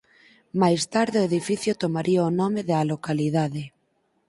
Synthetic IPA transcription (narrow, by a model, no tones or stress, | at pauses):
majst̪aɾðeoeðifiθjot̪omaɾʔiaonɔmeðalokalið̞aðe